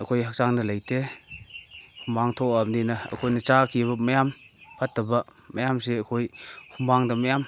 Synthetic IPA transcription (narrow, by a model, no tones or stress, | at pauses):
əkʰojɦak̚saŋnɐlajtʰe | humbaŋtʰɔamninɐɐ̰kʰojnɐt͡ʃakʰiβɐmɐjampʰatːɐbɐmɐjams̬eəkʰojhumbaŋdɐmɐjam